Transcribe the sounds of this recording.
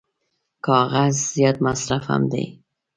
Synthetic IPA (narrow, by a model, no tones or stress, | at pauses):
kʰɑɣazːijɒːd̪̚masɾafa̰md̪ḛj